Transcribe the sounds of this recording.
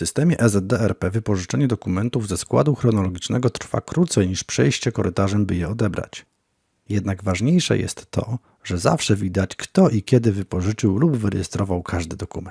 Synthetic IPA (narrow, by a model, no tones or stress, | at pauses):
fsɘst̪ɛmʲjɛ̰ʔɛzɛd̪̚d̪ɛɛɾpɛvɘpɔʐɘt͡ʂɛɲɛd̪ɔkumɛnt̪uvzɛskwa̰d̪uxɾɔnɔlɔɡʲit͡ʂnɛɡɔt̪ɾ̥fa̰kɾut̪sɛjɲiʂpʂɛjɕt͡ɕɛkɔɾɘt̪aʐɛmbɘjɛɔd̪ɛbɾa̰t͡ɕ | jɛd̪naɡvaʐɲejʂɛ̰jɛ̰st̪ːɔ̰ | ʐɛza̰fʂɛvʲid̪at͡ɕkt̪ɔʔikʲjɛd̪ɘvɘpɔʐɘt͡ʂɘwlubvɘɾɛjɛst̪ɾɔvawkʰaʐd̪ɘd̪ɔkumɛn